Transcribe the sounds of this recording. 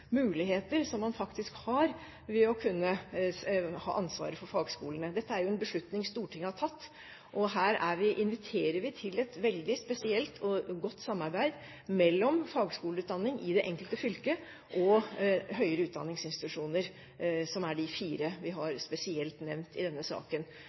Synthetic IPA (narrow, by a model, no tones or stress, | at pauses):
mʉːlɪɦeːt̪əɾsɔmːɑnfɑkt̪ɪskhɑɾ | ʋɪɔkʰʉnːə | hɑ̰ːʔɑnsʋɑ̰ːɾəfɔɾfɑːɡskuːlənəd̪ɛt̪ːəæɾjʊɛnbəʂɭʉt̪nɪŋst̪uːʈʰɪŋːɑʈʰɑt̪ː | ʔɔɦæːɾæɾʋɪʔɪnʋɪt̪ʰeːɾəɾʋɪt̪ʰɪlɛt̪ʋɛld̪ɪspɛsɪɛlt̪ʰɔɡɔt̪ːsɑmːɑɾbæɪd̪ | mɛlːɔmfɑːɡskuːlʉːt̪̚d̪ɑnːɪŋʔɪd̪ɛʔɛŋkəlt̪əfʏlkə | ʔɔɦœʏəɾəʉːt̪d̪ɑnːɪŋsɪnst̪ɪt̪ʉʂuːnəɾ | sɔmæɖɪfiːɾəʋɪɦɑɾspɛsɪɛlt̪nɛʋnt̪ɪd̪ɛnːəsɑ̰ːkən